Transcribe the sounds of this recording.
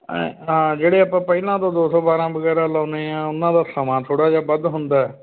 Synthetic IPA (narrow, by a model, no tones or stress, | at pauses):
ãd͡ʒeːɽeːapãːpəilãːt̪õːd̪oːsɔːbaːɾãːbəɡɛːɾãːlaʊneãːʊnːãːd̪aːsəmãːt̪ʰoːɽaːd͡ʒaːbəd̪ɦʊ̃nd̪aːɛː